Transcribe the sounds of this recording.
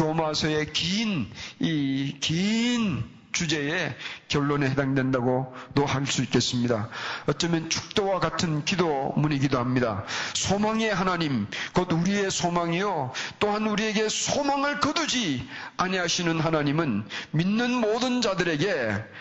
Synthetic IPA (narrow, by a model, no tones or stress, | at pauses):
omasʰʌe̞kinikin | t͡ɕud͡ʑe̞ekjʌɭːonehedaŋdwe̞ndaɡonoɦaɭs͈uik͈e̞s͈ɯmɲidaʌt͡ɕ͈ʌmjʌnt͡ɕʰu̥k̚t͈owaɡatʰɯnkidomuɲiɡidohamɲida̰sʰomaŋe̞ɦanaɲimkʌduɾie̞sʰomaŋijot͈oɦanuɾie̞ɡe̞sʰomaŋɯɭkɯdud͡ʑiaɲiɦaɕʰinɯnɦanaɲimɯnminːɯnmodɯnd͡ʑadɯɾe̞ɡe̞